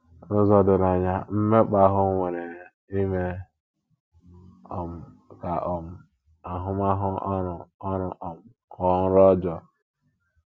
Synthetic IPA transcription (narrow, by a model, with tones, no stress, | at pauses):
nʊ˦zɔ˨dʊ˨na˨ɲa˦m̩˦me˦k͡pa˨˦ɦʊ˦ŋʷe˨ɾe˨ | i˦me˦ | ɔ˨m̩˨ | ka˨ʔɔ˨m̩˨ | a˨ɦʊ˦ma˦ɦʊ˦ɾɔ˦ɾʊ˨ʔɔ˨m̩˨ | kɔ˨ŋ̩˦ɾɔ˦d͡ʒɔ˨